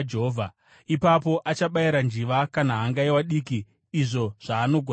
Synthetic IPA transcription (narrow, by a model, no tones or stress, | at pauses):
d͡ʒeɦovʱa | ipapo̞ʔat͡ʃaɓaiɾand͡ʒiʋakanaɦːŋɡaiwaɗiːkiː | ʐo̞ʐ̥aːno̞ɡʱo